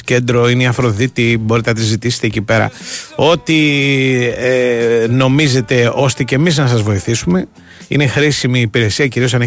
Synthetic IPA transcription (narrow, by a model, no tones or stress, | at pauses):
ce̞nd̪ɾo̞ineiɐfɾo̞ðit̪ibo̞ɾit̪enɐt̪izit̪ist̪ecipe̞ɾɐ̰o̞t̪i | eno̞mize̞t̪e̞o̞st̪ecemiznɐsɐzvo̞iθisume̞ | ḭne̞xɾisimiːpiɾe̞siɐciɾio̞sɐne